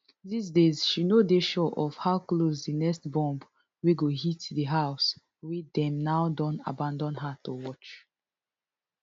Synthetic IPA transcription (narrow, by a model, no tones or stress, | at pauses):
ðis̬dez̥ʃinodeʃɔʔɔfhaʊklozdənɛstbɔ̃mb | wiɡoɦitðəɦaʊs | widɛ̃mnaʊdɔ̃na̰bãndɔ̃nɦatuwɔt͡ʃ